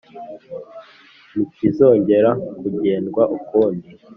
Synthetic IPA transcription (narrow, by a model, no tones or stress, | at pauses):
nikizo̞ːɲɟe̞ɾakuɟe̞ːnɡwaʔukoːndi